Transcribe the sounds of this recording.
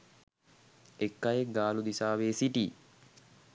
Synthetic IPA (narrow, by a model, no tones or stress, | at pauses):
ekːajeɡaːlud̪isaːʋeːsiʈiː